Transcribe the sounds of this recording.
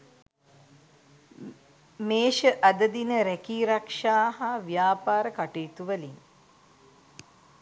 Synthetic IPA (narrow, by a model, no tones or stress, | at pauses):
meːʃəʔɐd̪əd̪inəɾækiːɾakʂaːɦaʋjaːpaːɾəkaʈiːt̪uʋəliŋ